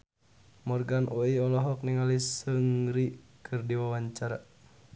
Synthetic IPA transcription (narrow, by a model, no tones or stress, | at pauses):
mɔrɡanʔɔiɔlɔɦɔk̚niŋalisəŋɾikʰɨrdiwawaɲt͡ʃaɾa